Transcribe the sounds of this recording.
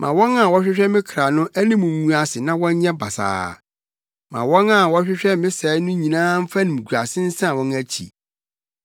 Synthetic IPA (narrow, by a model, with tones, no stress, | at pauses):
mʔã˨wɔ̃˦nã˨wɔ˦ɕᶣɪ˦ɕᶣɛ˦mɪ̃˦kʰɾa˨nʊ̃˦æ˦nĩ˦mũ˨m˦ũ˦a˨sɪ˨nã˦wɔ̃˦ɲ˦ɲɛ̃˦ba˨sa̰ː˨ | mã̰˨wɔ̃˦nã˨wɔ˦ɕᶣɪ˦ɕᶣɛ˦mɪ̃˦sɛ˨˦nʊ̃˦ɲĩ˨nãː˦m̩˦fa˦nĩ˨m˨ɡʰu˨ɾa˨sɪ̃˦n̩˦sã˦˨wɔ̃˦næ˦t͡ɕʰḭ˨